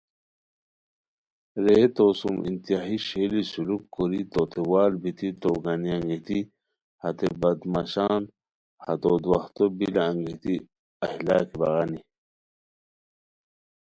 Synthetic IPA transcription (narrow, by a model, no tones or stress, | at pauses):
ɾeːt̪oːsumḭnt̪ijaɦiɕelisulukkoɾit̪ot̪ʰewaːlbit̪it̪oɡaniaŋɡit̪i | hat̪ebɐd̪maɕaːn | hat̪od̪waht̪obilaːŋɡit̪i | ɐhilaːkibɐɣani